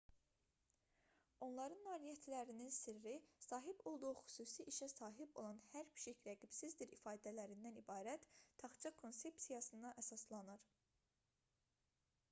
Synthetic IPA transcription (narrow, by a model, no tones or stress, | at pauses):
o̞nlˠɑɾɯnːɑːɾijæt̪ʰlæɾininsiɾːisɑːɦibo̞lˠd̪uʁuxy̥suːsiʔiʃæsɑːɦibo̞̰lˠɑnhæɾpʰi̥ʃiçɾæɡibsizd̪iɾifɑːd̪ælæɾind̪ænibɑːɾæt̪ːʰɑχt͡ʃʰɑkʰo̞nse̞psijɑsɯnd̪ɑʔæsɑslˠɑnɯɾ